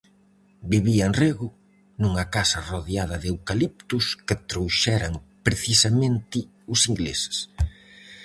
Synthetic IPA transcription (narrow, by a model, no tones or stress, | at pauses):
biβiɐenreɣʊ | nuŋɐkasɐroðjaðɐðewkalip̚t̪ʊskɪt̪ɾowʃɛɾɐŋpɾeθisamẽnt̪ɪ | ʊsiŋɡlḛsɪ̥s